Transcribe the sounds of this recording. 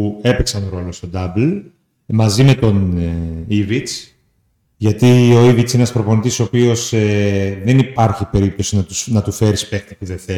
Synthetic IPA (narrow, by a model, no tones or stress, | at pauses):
ue̞peksɐnɾo̞lost̪o̞d̪ɐbl | mɐzime̞t̪o̞n | ivit͡s | ʝɐt̪io̞ivit̪sinenɐspɾo̞po̞nit̪iso̞ːpio̞seðenipɐɾçipe̞ɾip̚t̪o̞sinɐt̪usnɐt̪ufe̞ɾispe̞xt̪ipuðeθe